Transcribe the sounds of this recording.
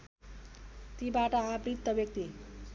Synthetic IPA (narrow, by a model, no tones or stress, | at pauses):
t̪ibaʈʌaːpɾit̪ːʌbjʌk̚t̪i